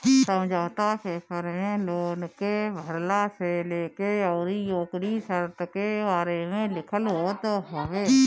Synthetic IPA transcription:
səmd͡ʒoːt̪aːseːpʰəɾmẽloːnkebʱəɾlaːseleːkeɔːɾijoːkɾisəɾt̪kebaːɾeːmẽlɪkʰəlɦoːt̪oɦoʋeː

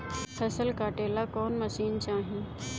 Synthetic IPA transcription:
pʰɐsəlkaːʈeːlakɔːnmɐʃiːnt͡ʃaːɦĩː

